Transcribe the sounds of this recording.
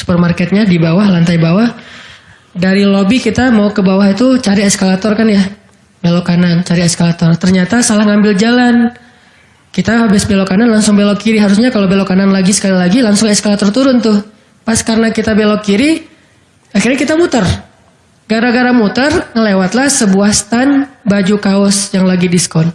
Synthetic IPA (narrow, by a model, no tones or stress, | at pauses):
su̥pɔr̚markɛt̪̚ɲadibawahlant̪ajbawah | daɾilobikit̪amaukəbawahit̪ut͡ʃaɾiɛskalat̪ɔrkanja | belokanant͡ʃaɾiɛskalat̪ɔrt̪ərɲat̪asalahŋambɪld͡ʒalan | kit̪aabɪsbelokananlaŋsʊŋbelokiɾiɦaɾʊsɲakalobelokananlaɡisə̥kalilaɡilaŋsʊŋɛskalat̪ɔrt̪uɾʊnt̪ʊh | paskarnakit̪abelokiɾi | axirɲakit̪amut̪ər | ɡ̥aɾaɡaɾamut̪ərŋəlewat̪lahsəbuahst̪anbad͡ʒukaɔsjaŋlaɡidiskɔn